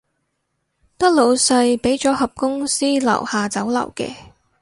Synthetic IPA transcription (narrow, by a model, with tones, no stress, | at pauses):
t̪ɐ˥k̚lo˨˧wsɐ˧jpe˨˥jt͡sɔː˨˥ɦɐ˨p̚kʊ˥ŋsiː˥lɐ̰˨˩whaː˨˩t͡sɐ˨˥wlɐ̰˨˩wkɛ̰ː˧